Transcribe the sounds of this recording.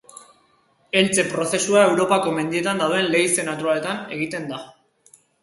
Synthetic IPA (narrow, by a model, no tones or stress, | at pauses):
e̞lt͡se̞pɾo̞se̞suae̞wɾo̞pako̞me̞nd̪ie̞t̪and̪awðe̞nle̞jse̞nat̪uɾale̞t̪ane̞ɣ̞it̪e̞nd̪a